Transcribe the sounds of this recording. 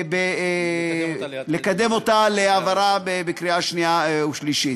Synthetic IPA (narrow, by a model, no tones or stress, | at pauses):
be | le̞kad̪emo̞t̪aleavaɾabebekɾiaʃniauʃliʃi